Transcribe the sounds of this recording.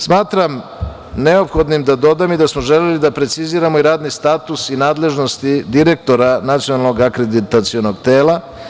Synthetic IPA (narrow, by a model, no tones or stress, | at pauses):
smaːt̪ɾam | neo̞pxo̞d̪nimd̪ad̪o̞d̪amid̪asmo̞ʒelelid̪apɾe̞t̪siziːɾamo̞iɾaːd̪nist̪aːt̪usinaːd̪le̞ʒno̞st̪id̪iɾe̞k̚t̪o̞ɾanat̪sijonalˠno̞ɡakɾed̪it̪at̪siono̞ɡt̪eːlˠa